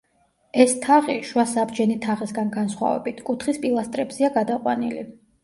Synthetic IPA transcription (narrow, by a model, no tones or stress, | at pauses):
ɛst̪ʰaʁiʃwasabd͡ʒɛnit̪ʰaʁisɡanɡansχwa̰vɛ̰bit̪ʰkʼut̪ʰχispʼilˠast̪ʼɾɛbz̥iaɡad̪aqʼwa̰nili